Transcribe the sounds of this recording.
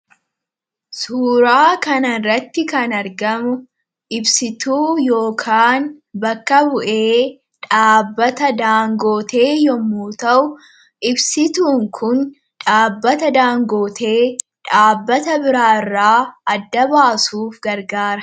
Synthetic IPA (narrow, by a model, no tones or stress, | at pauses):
suːɾaːkɐnɐnrɐt̪ːɪkɐnɐɾɡɐmʊ | ʔɪbsɪt̪uːjo̞ːkʰaːn | bɐkːɐbʊʔeː | ᶑaːbːɐt̪ɐd̪aːŋɡo̞ːt̪e̞ːjɔmːuːt̪ɐʔʊ | ʔɪbsɪt̪uːŋkʰʊn | ᶑaːbːɐt̪ɐd̪aːŋɡo̞ːt̪ʰe̞ː | ᶑaːbːɐt̪ɐbɪɾaːɪrːaːɐd̪ːɐbaːsuːfɡɐɾɡaːɾɐ